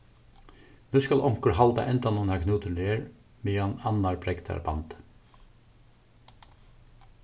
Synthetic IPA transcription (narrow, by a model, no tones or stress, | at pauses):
nʉːskɑlʔɔŋkəɹhɑld̪ɑ̰ʔɛnt̪ɑnunækʰnuːt̪əleːəɹ | miːɑnɑnɑɹbɾɛkt̪ʰɑ̰ɾbɑ̰nt̪